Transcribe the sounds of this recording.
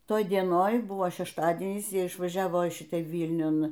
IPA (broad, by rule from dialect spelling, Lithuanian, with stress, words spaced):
ˈtoːj dʲiɛˈnoːj ˈbʊʋoː ʃʲɛʃˈtɑːdʲiɛnʲiːs ˈjiɛ ɪʃʋɐˈʒʲæːʋoː iː ˈʃʲɪtɑː ˈʋʲiːlʲnʲʊn